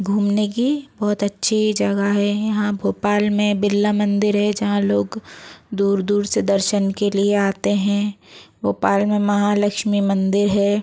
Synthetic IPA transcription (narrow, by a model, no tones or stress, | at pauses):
ɡʱuːmnek̬ibɔːt̪ɐtːʃʰid͡ʒɐɡaɦɛjɐɦãbʱoːpaːlmẽbɪlːamɐ̃nd̪ɪɾɦɛd͡ʒɐɦãloːɡd̪uːɾd̪uːɾsed̪ɐɾʃənkelieaːt̪eɦɛ̃ɡʱoːpaːlmẽmɐɦalɐkʃmimɐ̃nd̪ɪɾɦɛː